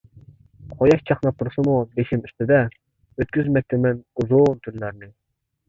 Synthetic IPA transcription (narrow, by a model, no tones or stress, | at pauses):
qʰojɑqt͡ʃʰɑχnɑp̚t̪ʰuɾsɨmud̪eʃimyst̪ɪd̪ɛ | øt̪̚kʲyzmɛk̚ʲt̪ʰɪmɛnuzunt̪ʰyɾlæɾnɪ